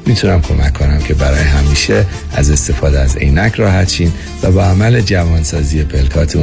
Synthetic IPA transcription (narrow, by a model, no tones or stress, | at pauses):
mit̪ʰunæmkʰo̞mækʰːo̞næmcʰe̞bæɾɒːjeɦæmiːʃe | æze̞st̪e̞fɒːd̪eæzḛjnæcʰɾɒːɦæt̪t͡ʃiːn | væbɒæmæle̞d͡ʒævɒːnsɒːziːe̞pʰe̞lkʰɒːt̪ʰu